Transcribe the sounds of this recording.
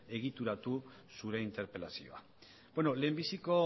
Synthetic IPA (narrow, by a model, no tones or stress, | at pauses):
e̞ɣ̞it̪uɾat̪usuɾe̞int̪e̞ɾpe̞lasḭo̞̰a | bweno̞le̞ːmbisiko̞